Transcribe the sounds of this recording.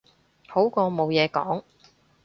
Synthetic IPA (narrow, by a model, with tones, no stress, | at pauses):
ho˨˥wkɔː˧mo˨˧wjɛː˨˧kɔː˨˥ŋ